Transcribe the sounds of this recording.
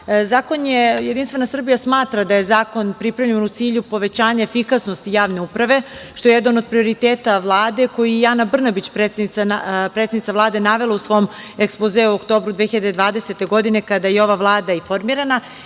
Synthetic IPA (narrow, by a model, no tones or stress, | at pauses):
zaːko̞njejed̪inst̪ʋe̞nasr̩bijasmaːt̪ɾad̪aje̞zaːko̞npɾipɾaʋʎenut̪siːʎupo̞ʋe̞t͡ɕaːɲaefikasno̞st̪ijaːʋne̞upɾaʋe̞ʃt̪o̞jejed̪ano̞d̪̚pɾio̞ɾit̪eːt̪aʋlˠaːd̪e̞ko̞jijaːnabr̩nabit͡ɕpɾet̪senianapɾet̪ednit̪avlˠaːd̪e̞naʋe̞lausʋo̞m | ekspozeuokt̪o̞ːbɾud̪ʋexiʎad̪ed̪ʋaːd̪eset̪e̞ɡo̞d̪ine̞kad̪ajeo̞ʋaʋlˠaːd̪aifo̞ɾmiːɾana